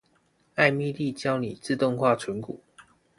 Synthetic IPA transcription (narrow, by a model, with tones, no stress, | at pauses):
a˥˧ɪmi˥˧li˥˨t͡ɕjɑ˥ʊni˨˩t͡sɹ̩˥˧t̪ʊ˥˧ŋxwa˥˨ʈ͡ʂʰwə˨˦nkṵ˨˩˦